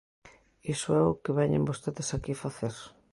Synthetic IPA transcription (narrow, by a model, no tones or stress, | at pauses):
isʊɛʊkeβɛɲḛmbost̪eðesakifaθeɾ